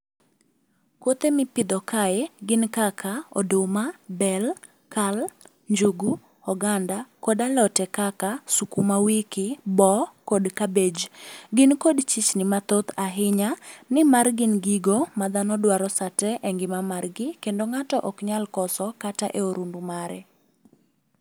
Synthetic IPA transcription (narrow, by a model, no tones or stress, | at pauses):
kwot̪emɪpɪd̪ɔkaɛɡɪnkakʰaɔ̰domabɛl | kal | ɲd͡ʒuɡu | hɔɡandakodalɔtɛkakasukumawikɪbɔkodkabed͡ʒɡɪnkodt͡ʃit͡ʃnɪmat̪ot̪aɦɪɲanɪmarɡɪnɡiɡomad̪anɔdwaɾɔsatɛʔɛŋɡɪmamarɡɪkendoŋatɔʔɔkɲalkɔsɔkataʔeoɾumbumaɾɛ